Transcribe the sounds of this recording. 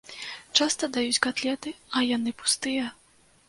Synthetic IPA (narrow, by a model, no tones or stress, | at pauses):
t͡ʂast̪ɐd̪ajut͡sʲkat̪lʲɛt̪ɨɐjanɨpu̥st̪ɨjɐ